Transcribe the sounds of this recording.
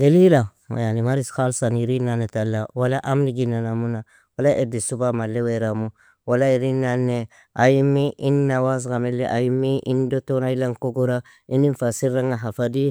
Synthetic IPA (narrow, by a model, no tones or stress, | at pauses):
ɡalila | ma̰janimaɾisxalsanjiɾinanetalːawalaʔamniɡinːanamuna | walaʔedisubamalːeweɾamu | walaiɾinanːe | a̰jimːiʔinːawas̬ɡamelːiʔajimːiʔindotonailaŋkoɡoɾa | indinfasiɾːaŋaɦafadi